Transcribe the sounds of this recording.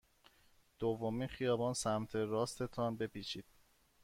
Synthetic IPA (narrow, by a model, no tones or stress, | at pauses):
d̪̥ovːomiːnxijɒːbɒːnsæmt̪ʰe̞ɾɒːst̪ʰe̞t̪ʰɒnbe̞piːt͡ʃʰiːd̪̥̚